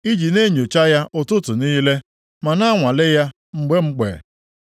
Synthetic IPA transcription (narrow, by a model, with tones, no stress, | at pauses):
i˦d͡ʒi˨ne˦ɲo˨t͡ʃa˦ja˦ʔʊ˦tʊ˦tʊ˨niː˦le˦ | ma˨na˦ŋʷa˨le˦ja˦ | ŋ͡m̩˦ɡ͡be˦ŋ͡m̩˦ɡ͡bḛ˨